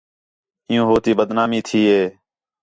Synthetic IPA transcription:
ɪjũːɦoːt̪iːbəd̪naːmĩːt̪ʰiːɦeː

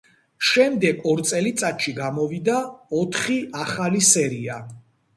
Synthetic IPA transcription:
ʃɛmd̪ɛɡɔɾt̪sʼɛlit̪sʼat̪ʃiɡamɔvid̪aɔt̪ʰχiaχalisɛɾia

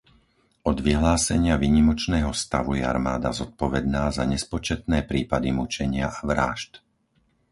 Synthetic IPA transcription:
ʔɔd̪ʋiɦlaːsɛɲɪaʋiːɲimɔt͡ʃnɛːɦɔst̪aʋujɛa̰ɾmaːd̪azɔt̪̚pɔʋɛd̪naːzaɲɛspɔt͡ʃɛt̪nɛːpɾiːpad̪imut͡ʃɛɲɪaʔaʋɾa̰ːʃt̪

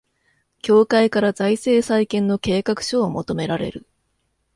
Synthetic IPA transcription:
kʲo̞ːkaikaɾazaise̞ːsaikẽ̞nːo̞ke̞ːkakɯ̟̥ɕo̞ːmo̞t̪o̞me̞ɾaɾe̞̰ɾɯ̟̰

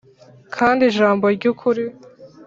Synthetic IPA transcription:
kʰaːndiʒaːmbo̞ɾɟukʰuɾi

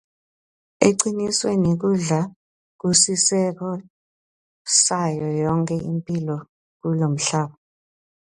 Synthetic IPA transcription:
eǀiniswɛnek̬uɮa | k̬usisɛk̬ɔ | sajɔjɔŋkʰʼɛʔimpʼilɔ | k̬ulom̩ɬaːɓɔ

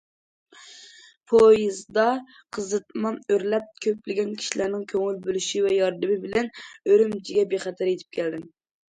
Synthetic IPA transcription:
pʰojizd̪ɑ | qʰəzɨt̪mɑnøɾlɛp̚kʲʰøplɪɡʲɛnkʲʰi̥ʃilæɾnɪŋkʲʰøŋylbølyʃivɛjɑɾd̪ɨmɪbɪlɛnøɾymt͡ʃʰiɡʲɛbeχɛt̪ʰæɾet̪ʰɪ̥p̚kʲʰɛld̪ɪm

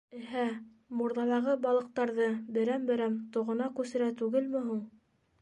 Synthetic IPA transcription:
ɘ̆ɦæ | muɾðɑlˠɑʁɤbɑlˠɤ̆q̚t̪ɑɾðɤbɘ̆ɾæmbɘ̆ɾæmt̪ŏʁɤ̆nɑkʉsɘ̆ɾæt̪ʉɡɘlmɘ̆ɦuɴ

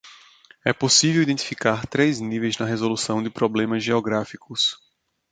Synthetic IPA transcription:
ɛposivewid̪ẽnt̪ifikaɾt̪ɾeznivejznɐɦezolusɐ̃w̃d̪ɪpɾoblẽmɐzʒeɔɡɾafikʊs

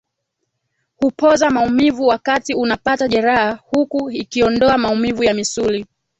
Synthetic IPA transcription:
hupɔzamaumivuwakatiunapataʄɛɾahahukuikiɔndɔamaumivujamisuli

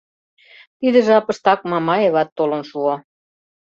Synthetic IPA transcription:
t̪id̪ə̆ʒeɑpə̆ʃt̪ɑk̚mɑmɑeβɑt̪ːolə̆nʃuo

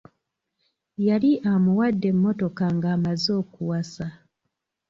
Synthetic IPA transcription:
jaliʔamuwadːe̞mːo̞to̞kaŋɡaːmazo̞ːkuwasa

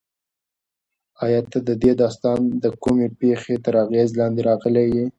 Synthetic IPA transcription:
ɑjɑt̪ad̪əd̪ed̪ɑst̪ɑnd̪əkumepexet̪əɾɑɣezlɑnd̪eɾɑɣəlewi

